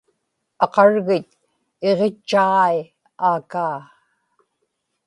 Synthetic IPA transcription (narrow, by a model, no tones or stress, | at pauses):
ɑqɑɻɣɪt̪̚ | eʁe̞t͡ʃːaɑi | aːkaː